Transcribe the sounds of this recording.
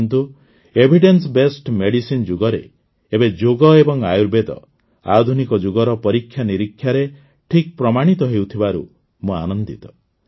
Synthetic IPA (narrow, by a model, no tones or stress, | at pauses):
nt̪u | ebʱiɖensbesʈmeɽisind͡ʒuɡɔɾeː | bed͡ʒoɡɔebɔŋajuɾbed̪ɔ̰ | a̰d̪ʱunikɔd͡ʒuɡɔɾɔpɔɾikʰːjaniɾikʰːjaɾe | ʈʰik̚pɾɔmaɽ̃it̪ɔɦewt̪ʰibaɾṵ | mua̰nɔnd̪it̪ɔ̥